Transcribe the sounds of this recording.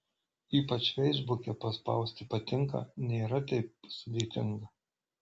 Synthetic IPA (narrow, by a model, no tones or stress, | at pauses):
iːpɐt͡ʃʲʋʲɛɪzbʊkʲɛpɐspɐ̰ˑʊsʲt̪ʲɪpɐt̪ʲɪŋkɐ̰ːnʲeːɾɐt̪ɐɪp̚sʊd̪ʲeːt̪ʲɪŋɡɐ